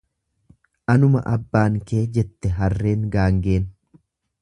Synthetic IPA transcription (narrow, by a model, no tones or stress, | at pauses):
ʔɐnʊmɐ̰ʔɐbːaːŋke̞ːd͡ʒɛt̪ːɛɦɐrːe̞ːŋɡaːŋɡe̞ːn